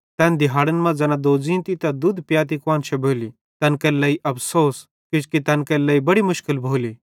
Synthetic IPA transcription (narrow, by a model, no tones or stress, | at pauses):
t̪ɐnd̪ɪɦaːɽənmãd͡zɐnad̪oːd͡zĩːnt̪it̪ɐd̪ud̪pjaːt̪ikʋaːnt͡ʃʰɛboːli | t̪ɐnkɐlɐiʔɐpsoːs | kɪt͡ʃkit̪ɐnkɐlɐibɐɽimʊʃkɪlbʱoːliː